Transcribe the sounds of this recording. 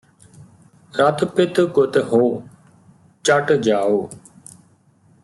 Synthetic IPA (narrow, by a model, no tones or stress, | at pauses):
ɾət̪pɪt̪kʊt̪ɦoː | t͡ʃəʈd͡ʒaːoː